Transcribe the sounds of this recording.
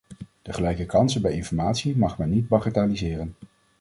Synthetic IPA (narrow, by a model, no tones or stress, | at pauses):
d̥əχəlɛjkəkɑnsənbɛjɪnfɔɹmaːtsimɑχmɛnːid̚bɑχataːlizɪːrən